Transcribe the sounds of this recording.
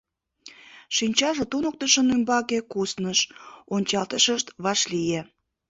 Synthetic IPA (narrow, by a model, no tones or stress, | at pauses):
ʃinʲt͡ɕɑʒet̪unək̚t̪əʃənymbɑkekusnəʃonʲt͡ɕɑlt̪əʃəʃt̪βɑʃlije